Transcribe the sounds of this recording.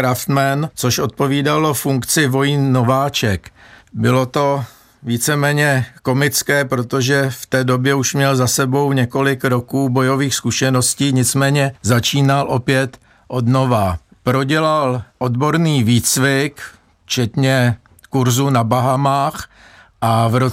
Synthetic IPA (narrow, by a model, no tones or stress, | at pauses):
ɾaft̪mɛnt͡soʃʔot̪̚po̞viːdalofuŋkt͡sɪvo̞jinːovaːt͡ʃɛkbɪlo̞t̪o̞ | viːt͡sɛmɛːɲɛko̞mɪt͡skɛːpɾot̪oʒɛft̪ɛːdo̞bjɛuʃmɲɛlzasɛbo̞wɲɛko̞lɪkɾo̞kuːbo̞jo̞viːxskuʃɛnosciːɲɪt͡smɛːɲɛzat͡ʃiːnalʔo̞pjɛt̪ | ʔo̞dno̞vapɾo̞ɟɛlalʔo̞d̪bo̞ɾniːviːt͡svɪk | t͡ʃɛt̪ɲɛ | kuɾzunabaɦamaːx | ʔavɾo